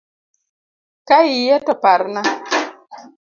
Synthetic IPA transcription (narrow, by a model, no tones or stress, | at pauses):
kaijɛtɔpaɾna